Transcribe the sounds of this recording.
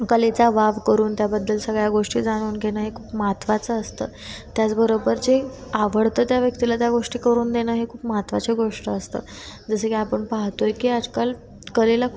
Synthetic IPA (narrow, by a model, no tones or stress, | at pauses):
kəlet͡saʋaʋkəɾuːnt̪jabəd̪ːəlsəɡɭjaɡoʂʈiːd͡zaɽ̃uːnɡʱeñəɦekʰuːpmat̪ʋat͡səːst̪ə̰ː | t̪jat͡sbəɾobəɾd͡ʑeaʋəɽt̪əːt̪jaʋjəkt̪ilat̪jaɡoʂʈiːkəɾuːnd̪enəːɦekʰuːpmat̪ʋat͡seɡoʂʈəːst̪ə̰ː | d͡zəsekiapəɳpaɦt̪ojkiːad͡zkal | kəlela